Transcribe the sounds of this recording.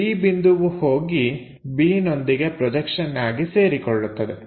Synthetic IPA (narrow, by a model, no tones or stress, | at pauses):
iːbind̪uʋuhoːɡi | biːno̞nd̪iɡe̞pɾɔd͡ʒɐkʂɐnːaːɡise̞ːɾikɔɭːut̪ːɐd̪e